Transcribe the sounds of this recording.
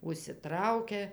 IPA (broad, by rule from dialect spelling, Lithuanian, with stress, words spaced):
ʊʃʲsʲɪˈtrɐʊkʲɛ